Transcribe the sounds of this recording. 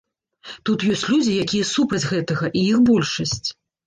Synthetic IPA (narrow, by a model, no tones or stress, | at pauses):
t̪ut̪jɔsʲt͡sʲlʲud͡zʲijakʲijɐsupɾɐd͡zʲɣɛt̪ɐɣɐʔijixbɔlʲʂɐsʲt͡sʲ